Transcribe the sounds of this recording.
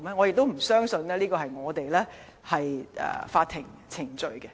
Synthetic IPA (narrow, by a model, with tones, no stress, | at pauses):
mɛ˥ŋɔː˨˧jɪ˨k̚t̪o˥wm̩˨˩sœː˥ŋsɵ˧nlɛː˥liː˥kɔː˧hɐ˨jŋɔː˨˧t̪e˨jlɛː˥ | hɐ˨jʔɛ̰ː˨˩faː˧t̪ʰːɪ˨˩ŋt͡sʰɪ˨˩ŋt͡ʃɵ˨ɥkɛ˧